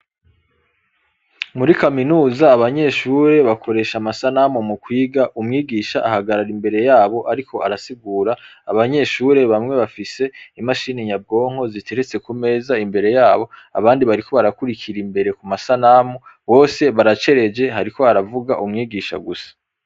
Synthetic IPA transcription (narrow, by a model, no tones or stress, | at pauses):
muɾikaminuːzaːβaɲe̞ʃuːɾe̞βakʰo̞ɾe̞ːʃamasanamumukwiːɡaʔumŋiːɡiːʃaʔahaɡaɾaɾimbe̞ɾe̞jaːβo̞ʔaɾiko̞a̰ɾasiɡuːɾaːβaɲe̞ʃuɾe̞βamŋe̞βafise̞imaʃiːneɲab̚ɡo̞ːŋ̥ho̞zitʰeɾet͡se̞kume̞ːzaimbe̞ɾe̞jaːβo̞a̰βaːndiβaɾiko̞βaɾakuɾikʰiɾimbe̞ɾe̞kumasanamuβo̞ːse̞βaɾat͡ʃe̞ɾe̞d͡ʒe̞haɾiko̞aɾavuɡaʔumŋiːɡiːʃa̰ɡusḁ